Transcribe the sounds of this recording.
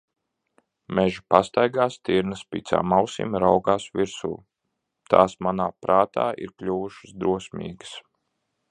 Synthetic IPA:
mɛʒupast̪ajɡaːst̪iɾnəspit̪sa̰ːmawsḭmɾawɡaːsviɾsṵː | t̪a̰ːsmanaːpɾaːt̪a̰ːʔḭɾklʲuʋuʃɨ̥sd̪ɾuɔsmḭːɡəs

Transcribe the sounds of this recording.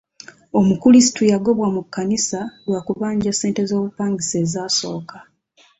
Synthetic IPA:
o̞mukulisi̥tujaɡo̞βwamukːanisalwaːkuβaːɲɟase̞ːnte̞zo̞ːβupaːŋɡise̞ːzaːso̞̰ːkḁ

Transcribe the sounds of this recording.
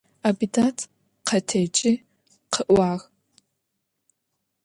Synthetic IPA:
abidatʰ | qʰɐtʰɐt͡ʃʼɪ | qʰəʔʷaːx

